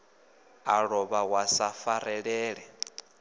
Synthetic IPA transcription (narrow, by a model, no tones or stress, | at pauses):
aɺɔβawasafaɾɛɺɛːɺɛ